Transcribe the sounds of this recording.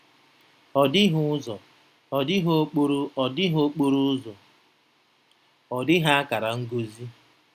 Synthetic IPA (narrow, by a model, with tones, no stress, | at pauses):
ɔ˨dɪ˦ɦʊ˦zɔ˨ | ɔ˨dɪ˦ɦo˦k͡po˦ɾu˦ɔ˨dɪ˦ɦo˦k͡po˦ɾu˦ʊ˦zɔ˨ | ɔ˨dɪ˦ɦa˦a˦ka˨ɾa˨ŋ̩˦ɡo˦zi˦